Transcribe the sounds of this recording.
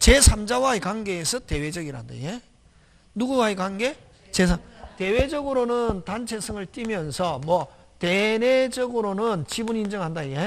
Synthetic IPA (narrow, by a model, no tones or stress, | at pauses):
t͡ɕe̞sʰamd͡ʑawaekwaŋɡe̞ːsʰʌte̞we̞d͡ʑʌɡiɾa̰ndḛje | nuɡuɡaekaŋɡe̞ | t͡ɕesʰate̞wed͡ʑʌɡɯɾonɯntant͡ɕʰe̞sʰɯŋɯɭt͈imjʌnsʰʌmwʌ | tened͡ʑʌɡɯɾonɯnt͡ɕibunːnd͡ʑʌŋɦhandaje